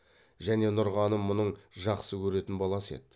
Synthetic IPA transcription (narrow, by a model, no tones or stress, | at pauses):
ʒæne̞nʊɾʁɑnəmːʊnəɴʒɑqsəkʲʰɵɾe̞t̪ɪnbɑlˠɑse̞̰d̪